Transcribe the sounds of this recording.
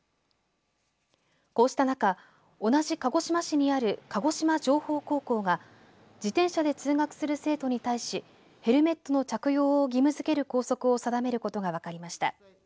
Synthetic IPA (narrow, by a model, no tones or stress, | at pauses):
ko̞ːɕi̥t̪anaka | o̞naʑikaɡo̞ɕimaɕiɲ̟iaɾɯ̟kaɡo̞ɕimaʑo̞ːho̞ːko̞ːko̞ːɡa | d͡ʑit̪ẽ̞ɰ̃ɕad̪e̞t͡sɨːŋakɯ̟̥sɨɾɯ̟se̞ːt̪o̞ɲ̟it̪aiɕi | he̞ɾɯ̟me̞t̪ːo̞no̞t͡ɕakɯ̟jo̞ːɡʲimɯ̟zɨke̞ɾɯ̟ko̞ːso̞kɯ̟o̞sad̪ame̞ɾɯ̟kot̪o̞ɡaβ̞akaɾʲimaɕi̥t̪a̰